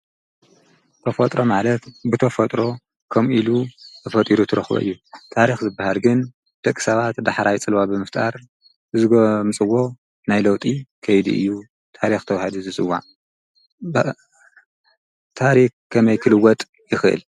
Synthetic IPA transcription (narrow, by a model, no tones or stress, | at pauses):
t̪ʰɐfɐt̪ʼɾo̞malɐt̪bɨt̪ʰɐfɐt̪ʼɾo̞ | kʰɐmʔilut̪ʰɐfɐt̪ʼiɾut̪ʰɨɾɐxbo̰ʔɨ̰jːut̪ʰaɾixzɨbːahalɡɨn | d̪̥ɐkʼi̥sɐβat̪d̪aħɾajt͡sʼɨlwabɨmɨft̪ʼa̰ɾ | ʔɨzɨɡomɨt͡sʼɨwːo̞ | najlɐwt̪ʼikʰɐjd̪ḭʔɨ̰jːu | t̪ʰaɾixt̪ʰɐwahɐd̪uzɨsʼɨwːa̰ʕ | b | t̪ʰaɾikʰːɐmɐjkʰɨlɨwːɔt̪ʼ | jɪxʔɨ̰l